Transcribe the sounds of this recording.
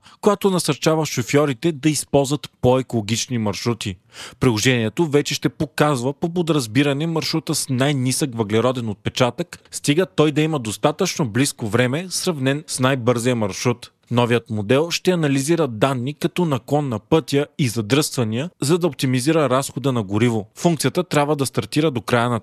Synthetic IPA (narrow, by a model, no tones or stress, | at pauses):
kojat̪onɐsɐɾt͡ʃavəʃofjɔɾit̪ɛd̪ɐispɔlˠzvət̪poɛkolˠoɡ̟it͡ʃnimɐɾʃɾut̪i | pɾilˠoʒɛniɛt̪ovɛt͡ʃɛʃt̪ɛpokazvəpop̬od̪ɾɐzbiɾɐnɛmɐɾʃɾut̪əsnajnisəkvəɡlɛɾɔd̪ɛnot̪̚pɛt͡ʃat̪əkst̪iɡət̪ɔjd̪ɐiməd̪ost̪at̪ət͡ʃnobliskovɾɛmɛsɾɐvnɛnsnajbɤɾzijəmɐɾʃɾut̪ | nɔvijət̪mod̪ɛlˠʃt̪ɛɐnɐliziɾəd̪anːikɐt̪ɔnɐkɔnːɐpɤt̪ʲjəizɐd̪ɾɤst̪vɐniəzɐd̪ɐop̚t̪imiziɾəɾasxod̪ənɐɡoɾivofuŋkt̪sijət̪ət̪ɾʲabvəd̪ɐst̪ɐɾt̪iɾəd̪okɾajənɐ